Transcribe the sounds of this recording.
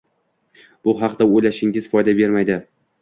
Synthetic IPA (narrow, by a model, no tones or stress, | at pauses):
b̥ʊɦɑqd̪aojlaʃɪŋʲɪz̥fɒjd̪abe̞ɾmajd̪ɪ